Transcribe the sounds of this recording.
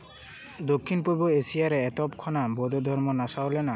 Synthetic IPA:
d̪okʰːinpojbɔesijaɾɛːtɔpkʰɔnabɔd̪ɔd̪ʱɔɹmɔnasaolɛna

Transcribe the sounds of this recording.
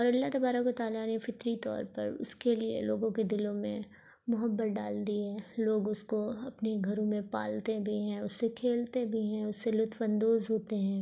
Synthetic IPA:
ɔːɾɐlːat̪ɐbaːɾakot̪aːlanefɪt̪ɾit̪ɔ̰ːɾpɐ̰ɾʊ̰skeliḛlo̰ːɡõked̪ɪlõmẽ | mʊɦəbːət̪̚ɖaːld̪iɦɛ̃ːloːɡʊskoɐpneɡʱɐɾõmẽpa̰ːlt̪ebʱiɦɛ̃ːʊsːekʰeːlt̪ebʱiɦɛ̃ːʊsːelʊt̪ʰwə̃nd̪oːzɦoːt̪eɦɛ̃ː

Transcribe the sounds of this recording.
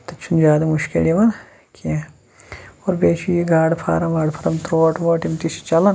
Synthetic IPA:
t̪ɐt͡ʃʰund͡ʒaːd̪ɐmuʃkḭljiʋɐn | kʰi | oːɾbeːt͡ʃʰujiɡaːɖpʰa̰ːɾɐmʋaːɖpʰɐɾɐmt̪ɾoːʈʋoːʈimt̪isi̥t͡ʃɐlɐn

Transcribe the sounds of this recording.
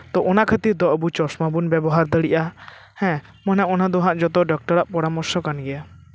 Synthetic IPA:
t̪ɔʔɔnakʰət̪iɾd̪ɔʔbut͡ʃɔsmabunbɛbɔɦaɾd̪əɽiʔa | hɛ̃ | mɔnɛʔɔnad̪ɔɦãʔd͡ʒɔt̪ɔɖɔk̚ʈɔɾaʔpɔɽamɔɾsɔkanɡɛja

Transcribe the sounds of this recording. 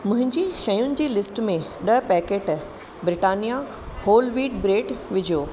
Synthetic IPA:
mʊ̃ɦɪ̃ɲd͡ʑiːʃɐjʊnɪ̆d͡ʑiːlɪsʈmẽɗɐɦpɛːkeːʈ | bɾɪʈaːnija | hoːlʋiːʈbɾeːʈʋɪd͡ʑʱijoː

